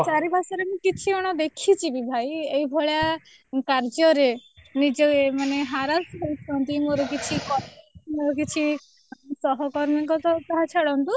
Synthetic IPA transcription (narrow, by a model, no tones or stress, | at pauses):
t͡ʃaɾibʱasɔɾemũkit͡ʃʰiɔɽ̃ɔd̪ekʰit͡ʃʰibibʱajejbʱɔɭja | kaɾd͡ʒɔɾenid͡ʒemaneɦaɾasɦojt͡ʃʰɔnt̪imoɾɔkit͡ʃʰikɔɾmoɾɔkit͡ʃʰi | sɔɦɔkɔɾmiŋkɔt̪ɔt̪aɦat͡ʃʰaɽɔnt̪u